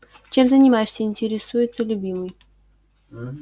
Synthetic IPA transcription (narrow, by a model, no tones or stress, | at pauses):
t͡ɕemzɐnʲimasʲeinʲtʲeɾʲɪsujɪt̪səlʲubʲimɨj